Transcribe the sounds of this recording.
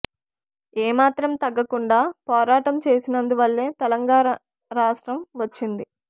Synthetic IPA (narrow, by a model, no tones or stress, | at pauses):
eːmaːt̪ɾɐmt̪ɐɡːɐkuɳɖaːpɔːɾaːʈɐmt͡ʃe̞ːsinɐnd̪uʋɐɭːe̞ːt̪ɛlɐŋɡaːɾɐ | ɾaːʂʈɾɐmʋɐt͡ʃːind̪i